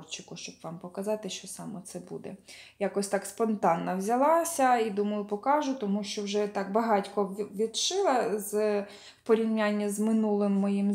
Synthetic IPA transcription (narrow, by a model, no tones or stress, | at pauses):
rt͡ʃɪkʊʃt͡ʃɔbʋɑmpɔkɐzɑt̪ɪʃt͡ʃɔsɑmɔt̪sɛbṵd̪ɛ̰jɑkɔsʲt̪ɑkspɔnt̪ɑnːɐwzʲɐlˠɑsʲɐid̪umɐjˠʊpɔkɑʒʊt̪ɔmuʃt͡ʃɔwʒɛt̪ɑkbɐɦɑtʲkɔʋʲid̪ʃɪlˠɐz | pɔɾʲiwnʲanʲːɐzmɪnulˠɪmːɔjim